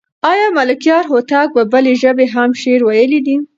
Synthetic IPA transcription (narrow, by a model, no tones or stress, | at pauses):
ɑjɑmalɪkjɑɾɦot̪ɑk̚bəbəleʒəbeɦamʃeɾwajəlid̪i